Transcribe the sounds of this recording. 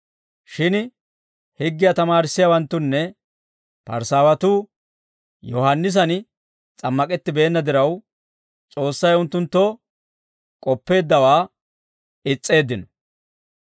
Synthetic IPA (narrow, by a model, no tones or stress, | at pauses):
ʃɪn | hɪɡːɪjɐt̪ɐmaːɾɪsːɪjawɐnt̪ːʊnːɛ | pɐ̰ɾsaːwɐt̪uː | jɔhɐnːɪs̬ɐn | t͡sʼɐmːɐkʼɛt̪ːɪbe̞ːnːɐd̪ɪɾɐw | t͡sʼo̞ːsːɐjʊnt̪ːʊnt̪ːɔ | kʼɔpːe̞ːd̪ːɐwaː | ɪt͡sʼːe̞ːd̪ːɪnɔ